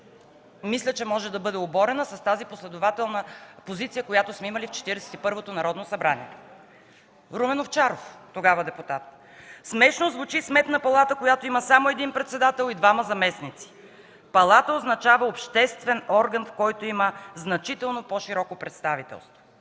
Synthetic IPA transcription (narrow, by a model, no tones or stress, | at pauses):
mislʲət͡ʃɛmɔʒɛd̪ɐbɤd̪ɛobɔɾɛnəsɐst̪aziposlɛd̪ʊvat̪ɛlˠnəpozit̪sijəkojat̪osmɛiməlift͡ʃɛ̥t̪iɾɛsɛ̥t̪ipɤɾvot̪onɐɾɔd̪nosɐbɾanḭɛ | ɾumɛnoft͡ʃaɾoft̪oɡavəd̪ɛput̪at̪̚ | smɛʃnozvʊt͡ʃismɛt̪nəpɐlˠat̪əkojat̪oiməsamoɛd̪inpɾɛt̪sɛd̪at̪ɛlˠid̪vamɐzɐmɛsnit̪si̥ | pɐlˠat̪əoznɐt͡ʃavəopʃt̪ɛst̪vɛnɔɾɡənfkɔjt̪oiməznɐt͡ʃit̪ɛlˠnopoʃiɾɔkopɾɛt̪st̪avit̪ɛ̰lˠst̪vo